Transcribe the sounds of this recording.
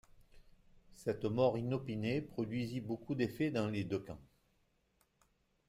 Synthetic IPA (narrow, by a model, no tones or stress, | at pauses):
sɛt̪mɔʁinɔpinepχɔd̪ɥizibokud̪efed̪ɑ̃led̪økɑ̰̃